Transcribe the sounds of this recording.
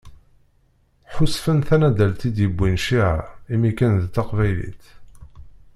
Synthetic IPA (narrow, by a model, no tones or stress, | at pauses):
ħʊsfənθænæd̪ælt̪id̪jəbʷːinʃiʕa̰imikənðt̪ːɑqvæjlḭθ